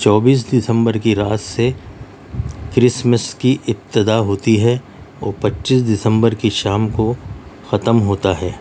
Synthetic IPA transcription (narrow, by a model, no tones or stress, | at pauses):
t͡ʃɔːbiːs̬d̪ɪsə̃mbəɾkiɾaːt̪se | kɾɪsməskiʔɪp̚t̪ɪd̪aɦoːt̪iɦɛ | ɔːpɐtːʃiːsd̪ɪsə̃mbəɾkiʃaːmkoxɐt̪əmɦoːt̪aɦɛː